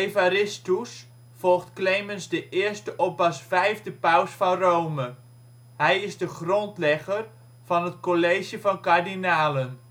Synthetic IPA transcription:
ejvaɾɪstus | fɔlˠχtklejmənzdəʔɪːɹstəʔɔp̚bɑsfɛjvdəpawsfɑnrowmə | ɦɛjɪzdəχrɔntlɛχər | v̥ɑnɦətkolejʒjəvɑnkaɹdinaːlən

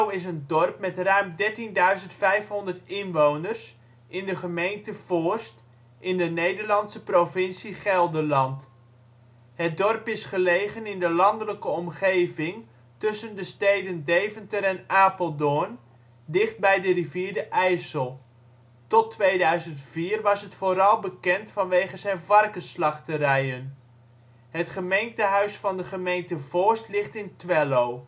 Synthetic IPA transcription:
mɪsəndɔrpmɛtrœɥmdɛɹtindœɥzəntfɛjfɦɔndətɪnʋownərs | ʔɪndəχəmejntəforst | ʔɪndənejdəɹlɑntsəprovɪnsiχɛlˠdəlɑnt | ɦət̚dɔrpɪsχəlejχənɪndəlɑndələkəɔmχejvɪŋ | tɵsəndəstejdəndejvəntəɾɛnʔaːpəlˠdon | dɪχd̚bɛjdəriviːdəʔɛjsəlˠ | tɔtʋejdœɥzəntfiːrʋɑsɦətfoːɾɑlˠbəkɛntfɑnʋejχəzɛjnvɑrkəslɑχtəɾɛjən | ɦətχəmejntəɦœɥsfɑndəχəmejntəv̥ɔstlɪχtɪntʋɛlow

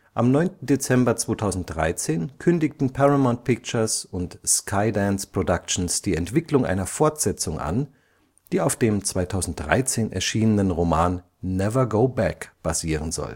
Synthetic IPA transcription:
ʔa̰mnɔʏntn̩det͡sɛmbɐt͡sv̥oːtʰaʊzn̩t̚d̥ʁa̰ɪt͡seːnkʰʏndɪktn̩pʰaʁamaʊnt̚pʰɪk̚t͡ʃɐsʊntskʰaɪdɛnspʁ̥odakt͡ʃn̩sd̥iːɛntv̥ɪklʊŋʔa̰ɪnɐfɔɐtz̥ɛt͡sʊŋʔa̰n | d̥iːaʊfd̥eːmt͡sv̥aɪtʰaʊzn̩t̚d̥ʁa̰ɪt͡seːnʔɛ̰ɐʃiːnənənʁomaːnː | ɛvɐɡoʊbɛkb̥a̰ziːʁ̞ənzɔ̰l

